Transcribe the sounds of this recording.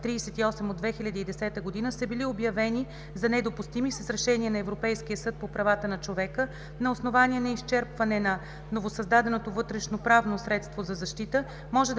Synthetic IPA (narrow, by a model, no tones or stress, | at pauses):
t̪ːɾiːsɛt̪iɔsɛmod̪vɛxilʲɐd̪iiːd̪ɛsɛt̪əɡod̪inəsəbiliobjɐvɛni | zɐnɛd̪opust̪imisəsɾɛʃɛniənɐɛvɾopɛjskijəsɤt̪̚popɾɐvat̪ənɐt͡ʃovɛkə | nɐosnovaniɛnɐist͡ʃɛɾpvɐnɛnɐ | novosɐzd̪ad̪ɛnot̪ovɤt̪ɾɛʃnopɾavnosɾɛt̪st̪vozɐzɐʃt̪it̪ə | mɔʒɛd̪